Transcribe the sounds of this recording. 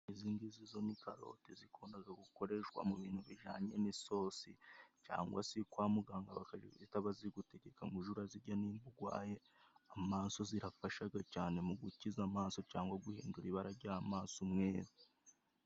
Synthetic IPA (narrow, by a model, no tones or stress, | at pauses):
iziːŋɡizizo̞nikaɾo̞̰tezikʰoːndaɡaɡuko̞ɾe̞ʃwa̰muβiːn̥huβiʒaːɲemiso̞ːsḭca̰ːŋɡwa̰sikwaːmuɡaːŋɡaβakazitaβaziɡute̞ɟe̞kaŋɡuʒuɾaziɾɟaniːmbuɡwa̰ːje̞ | amaːnso̞ziɾafaʃaɡacaːne̞muɡucizamaːnso̞caːŋɡwaɡuhḭːnduɾiβaɾaɾɟahamaːnsumŋe̞ːɾo